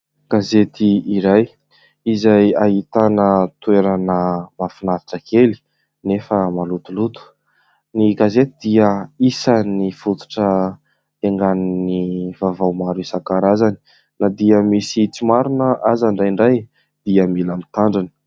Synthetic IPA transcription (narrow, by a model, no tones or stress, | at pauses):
ɡ̥azet̪iiɾaj | izajaɦit̪anət̪ueɾanəmafinati̥ʈ͡ʂəkʰeli̥ | nefəmalut̪ulut̪u̥ | niɡazet̪id̪̥iəisanifut̪u̥ʈ͡ʂə | eŋɡaninivavawmaɾusakaɾazani̥ | nad̪iəmisit͡simaɾunəʔazaɳɖ͡ʐajɳɖ͡ʐaj | d̪̥iəmilamit̪aɳɖ͡ʐanə̥